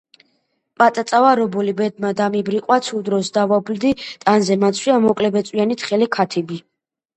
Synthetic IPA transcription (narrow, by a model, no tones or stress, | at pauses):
pʼat̪ʼat̪sʼavaɾɔbɔlibɛd̪̚mad̪amibɾiqʼwat̪sʰud̪ɾɔsd̪avabld̪it̪ʼanzɛmat̪sʰwiamɔkʼlɛbɛt̪sʼwianit̪χɛlikʰat̪ʰibi